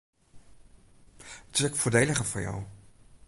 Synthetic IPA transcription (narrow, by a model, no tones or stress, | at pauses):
ətsɛkfʊːɹdejləχəfʊ̰ɹja̰w